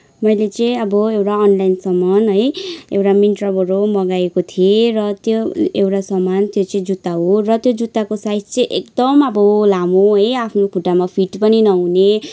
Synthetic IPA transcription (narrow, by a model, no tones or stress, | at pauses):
mʌjlet͡sʌĩʌbʌewʈaːnlajnsʌmanɦʌjewʈaminʈrʌbʱʌɾomʌɡaekot̪ʰierʌt̪joewʈasʌmant̪jot͡sʌĩd͡zut̪ːaɦorʌt̪jod͡zut̪ːakosajtt͡sʌ̃ĩʔekd̪ʌmʌbʌlamoɦʌjapʰnokʰuʈːamapʰiʈpʌninʌɦune